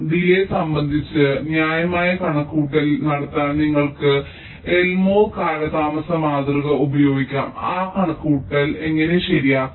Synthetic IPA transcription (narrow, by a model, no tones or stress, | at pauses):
d̪ilesɐmbɐnd̪ʱit͡ɕːɨnjaːjɐmaːjɐkɐɳɐkːuːʈːɐlnɐɽɐt̪ːaːnniŋːɐɭkɨ | elmoːkaːlɐðaːmɐsɐmaːd̪rɨɣɐubɐjo̞ːɡikʲːa̰ːmaːkɐɳɐkːuːʈːɐle̞ŋːɐne̞ɕɐɾijaː